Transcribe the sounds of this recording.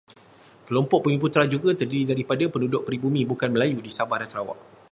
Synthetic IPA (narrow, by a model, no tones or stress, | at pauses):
kəlɔmpɔʔ̚pəŋĩput̪ɾad͡ʒuɡat̪ərdiɾidaɾipadapənudʊʔ̚pɾibumĩbukanməlajudisabahɾasɾawa̰ʔ